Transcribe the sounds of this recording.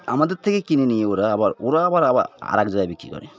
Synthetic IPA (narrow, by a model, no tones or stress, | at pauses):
amad̪ɔt̪ʰːɛkekininijeuɾaːbaɾuɾaːbaɾabaa̰ɾak̚d͡ʒɔjabikikɔ̰ɾɛ